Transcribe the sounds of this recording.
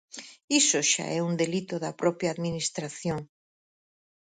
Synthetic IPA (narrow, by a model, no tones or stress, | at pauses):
isoʃa̰ʔɛund̪elit̪oðapɾɔpjaːðminist̪ɾaθjoŋ